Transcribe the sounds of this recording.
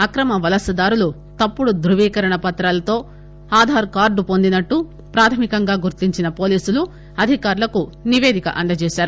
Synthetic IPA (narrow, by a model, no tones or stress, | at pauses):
ɐkɾɐmɐʋɐlɐsɐd̪aːɾulu | t̪ɐpːuɽud̪ɾuʋiːkɐɾɐɳɐpɐt̪ɾaːlɐt̪o̞ː | aːd̪ʱaːɾkaːɾɖupo̞nd̪inɐʈːu | pɾaːt̪ʰɐmikɐŋɡaːɡuɾt̪iɲt͡ʃinɐpo̞ːliːsulu | ɐd̪ʱikaːɾulɐkuniʋeːd̪ikɐ̰ʔɐɳɖɐt͡ʃɛːʃaːɾu